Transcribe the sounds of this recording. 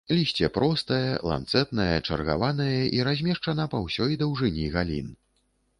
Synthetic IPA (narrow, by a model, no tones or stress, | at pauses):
lʲisʲt͡sʲɛpɾɔst̪ɐjɛlˠa̰nt̪sɛt̪nɐjɛt͡ʂɐ̰rɣa̰vanɐjɐʔiɾazʲmʲɛʂt͡ʂɐnɐpawsʲɔjd̪ɐwʐɨnʲiɣalʲḭn